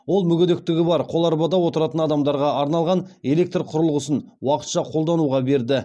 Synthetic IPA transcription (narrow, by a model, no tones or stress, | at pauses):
wo̞lˠmʏɡʲed̪ek̚t̪ɪɡʲɪbɑɾqʰo̞lˠɑɾbɑd̪ɑwo̞t̪əɾɑt̪ənɑd̪ɑmd̪ɑɾʁɑɑɾnɑlˠʁɑne̞le̞k̚t̪rqʰʊɾəlˠʁəsən | wɑqə̥t̪ʃɑqʰolˠd̪ɑnuʁɑbe̞ɾd̪ɪ